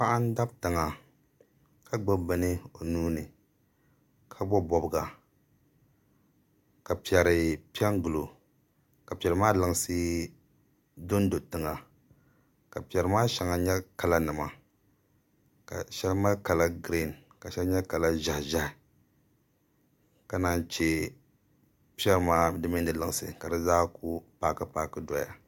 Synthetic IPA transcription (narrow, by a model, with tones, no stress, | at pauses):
pa˦ʔa˦n˦da˦btɨ˨ŋa˨ | kʰa˦ɡ͡bɔ˦bɨ˨nɨ˦o˨nuː˦nɨ˨ | kʰa˦bɔ˦bɔ˨bɨ˨ɡa˨ | ka˨pi˨ɛ˨ɾɨ˨pi˦ɛ˦ŋɡu˨lo˨ | ka˨pi˨ɛ˨ɾɨ˨maː˦lɨ˨ŋ˦sɨ˦ | do˦n˦do˨tɨ˨ŋa˨ | ka˨pi˨ɛ˨ɾɨ˨maː˦ʃa˨ŋa˨ɲɛ˦ka˨la˦nɨ˨ma˨ | ka̰˨ʃɛ˦lma˦lka˨la˦ɡɾi˦˨n | ka˨ʃɛ˦lɲɛ˦ka˨la˦ʒa˨hʒa˦hɪ˨ | ka˨na˨n˨t͡ʃe˨ | pi˦ɛ˦ɾɨ˨maː˦dɨ˦mɪ˦ndɨ˨lɨ˨ŋ˨sɨ̰˨ka˨dɨ˦zaː˦ku˦paː˦ka˦paː˦kɨ˦dɔ˨ja̰˨